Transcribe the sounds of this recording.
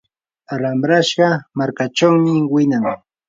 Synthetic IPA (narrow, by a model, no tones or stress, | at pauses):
aɾamɾaʃɢɑmaɾkat͡ʃawmɪwɪnaŋ